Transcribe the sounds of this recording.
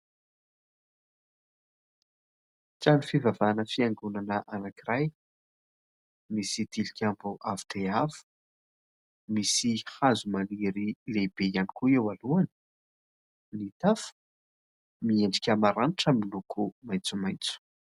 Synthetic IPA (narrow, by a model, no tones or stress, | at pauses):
t͡sanifivavanəfiaŋɡunanəʔanakiɾaj | misid̪ilikʲambuʔavi̥ʈ͡ʂeafu̥ | misihazumaliɾileb̥ejanikuewaluanə̥ | nit̪afə̥ | mieɳɖ͡ʐikʲəmaɾaniʈ͡ʂamilukʰumajnt͡sumajnt͡su̥